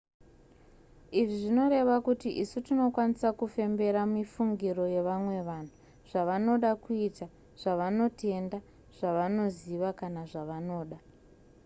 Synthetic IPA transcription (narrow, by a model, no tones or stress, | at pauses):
iʐiʐino̞ɾe̞ʋakutiʔisutino̞kwanisakufe̞mbe̞ɾamifuŋɡiro̞je̞ʋamwe̞ʋan̤u | ʐ̥aʋano̞ɗakuita | ʐ̥aʋano̞te̞nda | ʐ̥aʋano̞ziʋakanaʐaʋano̞ːɗa